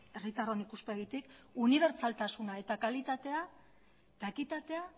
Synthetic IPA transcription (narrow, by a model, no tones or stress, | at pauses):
erit̪aronikuspe̞ɣ̞it̪ikuniβ̞e̞ɾt͡salt̪asunae̞t̪akalit̪at̪e̞a | d̪̥akit̪at̪e̞a